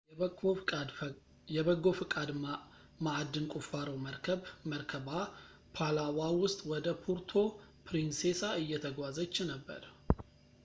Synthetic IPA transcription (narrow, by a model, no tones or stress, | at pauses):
jɛβəɡo̞fɨkʼad̪ | maad̪ːɨnkʼufaɾəwməɾkʰəβməɾkʰəba | pʰalawawʊst̪ʼwɔd̪əpʰuɾt̪ʰo̞pʰɾinsesaɨjːɛt̪ʰəɡʷazət͡ʃːɪnəbːə̰ɾ